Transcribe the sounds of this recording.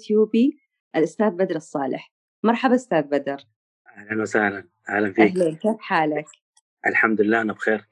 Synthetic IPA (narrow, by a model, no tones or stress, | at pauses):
t̪juːbi | ʔalʔʊst̪aːðbad̪ɾˤɑsˤːɑːlɪ̰ħ | mɑɾˤħabaʔʊst̪aːðbad̪ɑɾ | ʔahlanwasahlan | ʔahlamfaiːhlaːnkaːfħaːlak | ʔalħamd̪lɪlːaːʔanabxeːɾ